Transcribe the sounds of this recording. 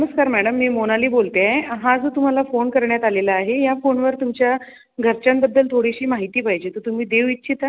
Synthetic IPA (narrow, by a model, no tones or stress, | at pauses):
məskaɾmæɽəmːiːmonaliːbolt̪jaɦãd͡zət̪um̤alafonkəɾɳjat̪alelaːɦejafonʋəɾt̪umt͡ɕja | ɡʱəɾt͡ɕambəd̪ːəlt̪ʰoɽiɕiːmaɦit̪iːpaɦjd͡ʑet̪ət̪um̤iːd̪eʋit̪ːt͡ɕʰit̪a